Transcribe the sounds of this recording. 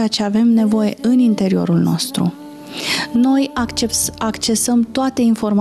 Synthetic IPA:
at͡ʃeave̞mne̞vo̞je̞̰ʔɨnint̪e̞ɾio̞̰ɾulno̞̰st̪ɾṵ | no̞jeakt͡ʃe̞səmt̪oat̪e̞info̞rm

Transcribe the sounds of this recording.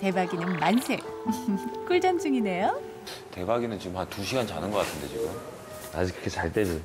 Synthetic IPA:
te̞baɡinɯnmansʰe | k͈ɯɭd͡ʑʌnd͡ʑɯŋine̞jo | te̞baɡinɯnt͡ɕiɡɯmhantuɕʰiɡant͡ɕanɯnɡʌk͈atʰɯnde̞t͡ɕiɡɯm | na̰d͡ʑikɾɯkʰet͡ɕaɭt͈ed͡ʑo

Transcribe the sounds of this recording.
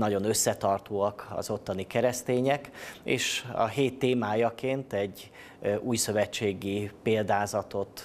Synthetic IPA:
nɒɟo̞nø̞sːɛt̪ɒrt̪oːɒkɒ̰zo̞t̪ːɒnikɛɾɛst̪eːɲɛkḛːʃɒ̰ɦeːt̪ːeːmaːjɒkeːnt̪ɛɟː | ʔuːjsøvɛt͡ʃːeːɡipeːld̪aːzɒt̪o̞t̪

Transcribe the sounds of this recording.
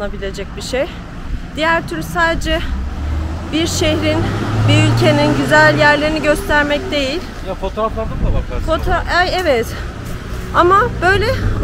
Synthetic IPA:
abilʲe̞d͡ʒɛc̚biʃej | d̪̥ijæɾt̪ʰyɾsaːd̪ed͡ʒɛ | biɾʃe̞hɾinbiylʲcʰe̞ninɟyzælʲjæɾlʲeɾiniɟø̞st̪ʰæɾmɛc̚d̪e̞jilʲjafot̪oɾaflˠaɾd̪ɯmd̪abakfot̪ʰoajɛvɛt̪ | amab̥øjlʲɛ

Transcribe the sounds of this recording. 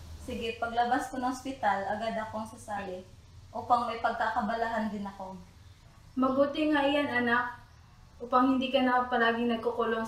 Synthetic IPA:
sɪɡɛpɐɡlɐbaskonɐŋʔospɪt̪alʔɐɡad̪ɐkoɐŋsʊsaːɦɛ | ʔoːpɐŋmɐjpɐɡ̚kakɐbɐlaɦɐnd̪ɪnɐko̞ | mɐbuːt̪ɪŋaʔɪjaŋɐnak̚ | ʔuːpɐŋhɪnd̪iːkɐnɐpɐlaːɡɪŋnɐɡ̚kokʊloŋ

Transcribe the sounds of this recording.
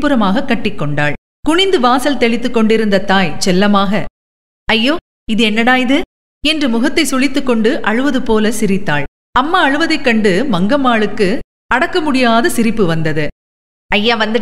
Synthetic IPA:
pɯɾɐmaːɣɐkːɐʈːɪkːɔɳɖaːɭ | kʊɳɪnd̪ɯʋaːsɐlt̪ɛɭɪt̪ːɯkːɔɳɖɪɾɯnd̪ɐt̪aːjt͡ʃɛlːɐmaːɣɐ | ɐjːoː | ɪðɯɛnːɐɽaːjðɯ | ɛndrɯmʊɣɐt̪ːɐɪsʊɭɪt̪ːɯkːɔɳɖɯʔɐɻɯʋɐðɯpoːlɐsɪɾɪt̪ːa̰ːɭ | ɐmːaːɐɻɯʋɐðɐɪkːɐɳɖɯmɐŋɡɐmaːɭɯkːɯ | ɐɽɐkːɐmʊɽɪjaːðɐsɪɾɪpːɯʋɐnd̪ɐðɯ | ɐjːaːʋɐnd̪ɯ

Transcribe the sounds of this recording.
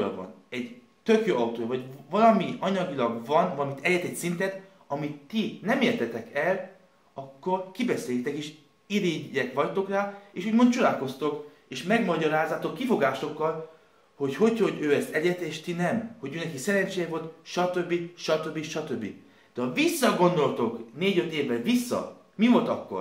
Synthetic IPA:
j̰vɒ̰nɛɟ | t̪ø̞kjoːɒut̪oːjɒvɒɟvɒlɒmiɒɲɒɡilɒɡvɒnvɒlɒmit̪ɛɟɛt̪ɛcsint̪ɛt̪ | ɒmit̪ːinɛmeːrt̪ɛt̪ɛkɛl | ɒkːo̞rkibɛseːjt̪ɛkeːʃ | iɾiɟːɛkʋɒct̪o̞kraːeːʃuːɟmo̞nt̪t͡ʃud̪aːko̞st̪o̞k | eːʃmɛɡmɒɟɒɾaːzːaːt̪o̞kːifo̞ɡaːʃo̞kːɒl | ho̞cho̞cho̞ɟøːɛst̪ɛɟɛt̪eːʃt̪inɛmho̞ɟøːnɛkisɛɾɛɲt͡ʃejɛvo̞lt̪ʃɒt̪øbːiʃɒt̪ø̞bːiʃɒt̪ø̞bːḭ | d̪̥ɛɒvisːɒɡo̞nd̪o̞lt̪o̞kneːɟø̞t̪eːvːɛlvisːɒ̰ | mivo̞lt̪ɒkːo̰r

